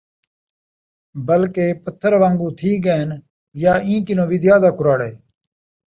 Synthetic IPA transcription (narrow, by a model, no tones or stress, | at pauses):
bəlkeːpət̪ʰːəɾʋãːŋɡũːt̪ʰiːɡeːn | jaːĩːkɪnõːʋɪd̪jaːd̪aːkʊɾaːɽeː